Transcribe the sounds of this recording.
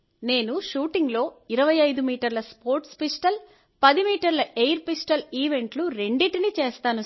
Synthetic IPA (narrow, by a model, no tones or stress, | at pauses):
ne̞ːnuʃuːʈiŋɡlo̞ːiɾɐʋɐjɐjd̪umiːʈɐɾlɐspoːɾʈspisʈɐl | pɐd̪imiːʈɐɾlɐʔejɾpisʈɐliːʋe̞ɳʈluɾe̞ɳɖiʈinit͡ʃeːst̪aːnu